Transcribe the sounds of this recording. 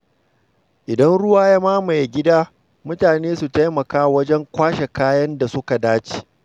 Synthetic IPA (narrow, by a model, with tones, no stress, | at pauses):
ʔɪ˨dɐ˦nɽʊ˦waː˦ja˦maː˦ma˨jɡʲɪ˦daː˦ | mʊ˦taː˨neː˦su˨ta˦jmɐ˨kaː˦wɐ˦d͡ʒɛ˦ŋkʷaː˦ʃe˨kaː˦jɐ˦nda˨sʊ˦ka˨daː˦t͡ʃe̥ː˨